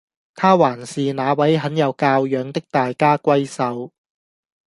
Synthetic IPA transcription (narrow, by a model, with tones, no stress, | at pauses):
t̪ʰaː˥waː˨˩nsiː˨naː˨˧wɐ˨˥jɦɐ˨˥njɐ˨˧wkaː˧wjœː˨˧˥ŋt̪ɪ˥k̚t̪aː˨jkaː˥kʷɐ˥jsɐ˨˥˧w